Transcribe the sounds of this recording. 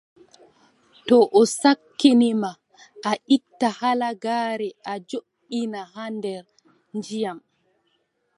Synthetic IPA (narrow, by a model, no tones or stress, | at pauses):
tɔʔɔsakːenima | ʔːʔitːahalaɡaːɾɛad͡ʒoɓ | inaɦandɛɾ | nd͡ʒijam